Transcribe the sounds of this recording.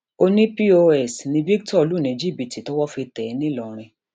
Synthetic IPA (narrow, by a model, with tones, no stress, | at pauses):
o˧nĩ˦pi˦o˧ɛ˦˨snĩ˧bi˦ɡtɔ˦˨˧lu˦˨nẽ˨d͡ʒi˦bi˧˨ti˨tɔ˦wɔ˦fe˧tɛ˨˧˦nĩ˦lɔ˨ɾ̃ĩ˧